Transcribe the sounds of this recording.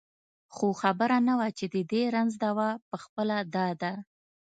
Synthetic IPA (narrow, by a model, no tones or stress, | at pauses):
xoxabəɾanawat͡ʃed̪əd̪eɾanzd̪awɑpəxpəlad̪ɑd̪a